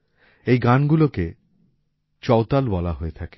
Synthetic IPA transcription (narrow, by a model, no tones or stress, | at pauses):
ejɡanɡuloke | t͡ɕɔwt̪albɔlaɦoet̪ʰake̥